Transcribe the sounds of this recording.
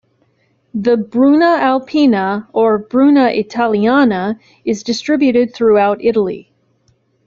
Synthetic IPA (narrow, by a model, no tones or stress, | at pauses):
ðɨbɹunəælˠpʰinəə˞bɹʉnəʔɪtʰælˠiænə | ɨzdɨstɹ̥ɪbjʉɾɨd̪̚θɹuaʊɾɪɾl̩ˠḭ